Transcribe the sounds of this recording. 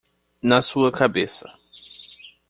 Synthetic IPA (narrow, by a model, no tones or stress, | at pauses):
nasuɐkʰabesɐ